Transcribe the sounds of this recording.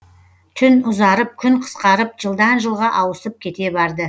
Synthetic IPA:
t̪ʰʏnʊzɑɾəp̚kʲʰʏɴqʰə̥sqɑɾəp̚ʒəlˠd̪ɑnʒəlˠʁɑʔɑwəsəp̚kʲʰe̞t̪e̞bɑɾd̪ə

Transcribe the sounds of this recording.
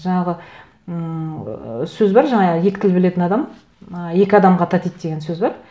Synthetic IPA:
ʒɑɴɑʁə | sɵzbɑɾʒɑɴɑjekʲɪ̥t̪ʰɪlbɪle̞t̪ɪnɑd̪ɑm | əje̞kʲɪɑd̪ɑmʁɑt̪ʰɑt̪ijt̪̚d̪e̞ɡʲe̞nsɵzbɑɾ

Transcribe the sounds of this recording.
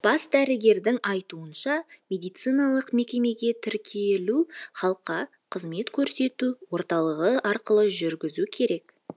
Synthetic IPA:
b̥ɑsd̪æɾɪɡʲe̞ɾd̪ɪŋɑjt̪uənʃɑmʲe̞d̪ijt̪sɨjnɑlˠəqme̞kʲe̞me̞ɡʲe̞t̪ʰɪɾkʲʰeluχɑlˠəqːɑ | qʰəzme̞t̪kʲʰɵɾse̞t̪uwo̞ɾt̪ɑlˠəʁəʔɑɾqəlˠəʒʏɾɡʲɪzukʲʰe̞ɾe̞k

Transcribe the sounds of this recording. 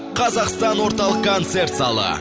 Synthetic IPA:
qʰɑzɑqst̪ɑnwo̞ɾt̪ɑlˠəqkʰont̪se̞ɾt̪sɑlˠə̰

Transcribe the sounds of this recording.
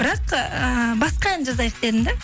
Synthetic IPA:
bɪɾɑqəbɑsqɑjænd͡ʒɑzɑjəq̚d̪ed̪ɪnd̪e

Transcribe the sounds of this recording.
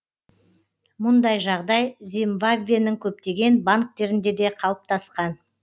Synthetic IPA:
mʊnd̪ɑjʒɑʁd̪ɑjzemvabvʲijanɪŋkʲʰɵp̚t̪e̞ɡʲe̞nbaŋk̚t̪e̞ɾɪnd̪e̞d̪e̞qʰɑlˠəp̚t̪ʰɑsqɑn

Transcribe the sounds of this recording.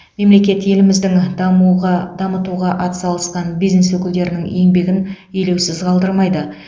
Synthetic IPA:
me̞mle̞kʲe̞t̪je̞lɪmɪzd̪ɪŋmuʁɑd̪ɑmət̪uʁɑʔɑt̪ə̥sɑlˠəsqɑnbijzne̞swɵkʲɪld̪e̞ɾɪnɪŋje̞ŋbe̞ɡʲɪn | ɵjle̞wsɪzqʰɑlˠd̪əɾmɑjd̪ə

